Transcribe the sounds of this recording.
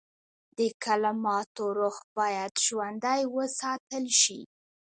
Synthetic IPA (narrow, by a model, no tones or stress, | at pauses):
d̪əkalamɑt̪oɾoxbɑjad̪ʒwand̪ajwəsɑt̪əlʃḭ